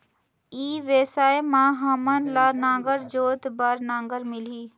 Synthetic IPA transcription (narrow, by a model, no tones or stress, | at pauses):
iːʋeːsaːemãːɦaːmənlaːnãːŋɡəɾd͡ʒoːt̪baɾnãːŋɡəɾmɪliː